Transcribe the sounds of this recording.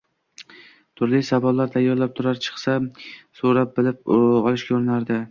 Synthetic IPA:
t̪ʰʊɾlɪjsabɒlːaɾt̪ʰajːɒɾlap̚t̪ʰʊɾaɾt͡ʃʰɨ̥χsasoɾap̚bɪlɪp̚ɒlˠɪʃkʲaɾɪnaɾd̪ɪ

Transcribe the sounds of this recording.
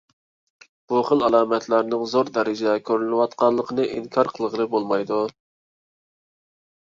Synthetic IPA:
b̥uχəlˠɑlˠɑːmɛt̪ʰlæɾnɪŋzoɾd̪ɛɾɪd͡ʒɛɛkʲʰøɾylnɪwɑt̪qɑnlˠəqʰənɨʔiŋkʰɑɾqʰəlˠəʁəlˠɨbolˠmɑjd̪u

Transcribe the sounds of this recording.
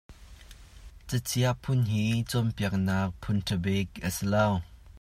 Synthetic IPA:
t͡sət͡sʰiɐʔ̚pʰʊnɦiːt͡sɔmpiɐk̚nak̚pʰʊnʈʰəbɛk̚ʔəsilow

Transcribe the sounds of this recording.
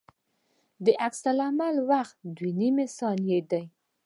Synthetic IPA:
d̪əʔaksalamalwaxt̪d̪wenimesɑnjed̪aj

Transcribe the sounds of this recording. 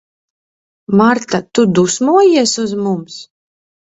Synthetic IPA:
maɾt̪at̪ud̪usmuɔjiɛsuzmums

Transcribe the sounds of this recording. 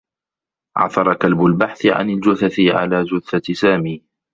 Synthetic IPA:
ʕɑ̰θɑɾˤɑkalbʊlbaħθɪʕa̰nɪld͡ʒʊθaθɪʕa̰laːd͡ʒʊθasaːmiː

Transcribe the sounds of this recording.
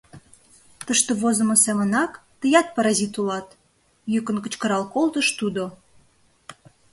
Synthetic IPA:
t̪əʃt̪oβozə̆mə̆semənɑkt̪əjɑt̪̚pɑɾɑzit̪ulɑt̪ | jykənkə̆t͡ɕkəɾɑlkolt̪əʃt̪ud̪o

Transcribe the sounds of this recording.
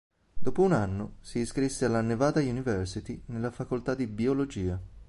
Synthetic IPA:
d̪̥oːpounanːosiːskɾisːealːanːevaːd̪ajunivɛrsit̪inelːafakolt̪ad̪ːibiolod͡ʒiːa

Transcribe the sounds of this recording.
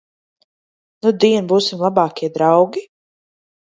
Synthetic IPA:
nud̪iɛnbuːsimlˠabaːkʲiɛd̪ɾawɡi

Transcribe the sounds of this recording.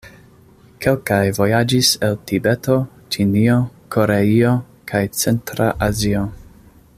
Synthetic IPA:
kʰe̞lkajvo̞jad͡ʒiseltibe̞to̞ | t͡ʃiniokʰo̞ɾeio̞ | kʰajt͡se̞ntɾaʔazio

